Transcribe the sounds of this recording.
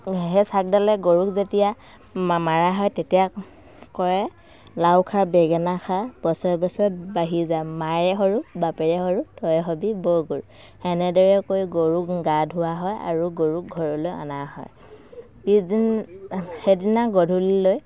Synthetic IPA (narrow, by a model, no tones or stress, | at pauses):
ɦɛsak̚dalɛɡoɹukzetija | mmaɹaɦɔjtetija | kɔɹɛ | lawkʰabɛɡɛnaxʰapɔsɔbɔsɔbaɦizamaɹɛɦɔɹukbapɛɹɛɦɔɹutʰɔjɦɔbibɔɹɡoɹuk | ɛnɛdɔɹɛkojɡoɹuk̚ɡadʱɦuwaɦɔja̰ɹuɡoɹuk̚ɡʱɔɹɔlojɔ̰naɦɔ̰j | piin | hedinaɡɔdʱuliloj